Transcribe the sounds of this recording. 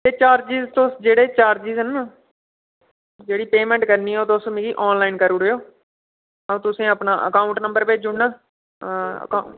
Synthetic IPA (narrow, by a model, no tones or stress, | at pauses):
t̪eːt͡ʃaːɾd͡ʒiːzt̪osd͡ʒeːɽeːt͡ʃaːɾd͡ʒiːzənaː | d͡ʒeːɽiːpeːmɛ̃ːɳʈkəɾniːoːt̪oʊsmĩɡiːʔɔːnlaːinkəɾuɾejoː | əũːt̪ʊsẽːəpnaːʔə̰kaːʊ̃ɳʈnəmbəɾpeːd͡ʒʊɳnaː | ka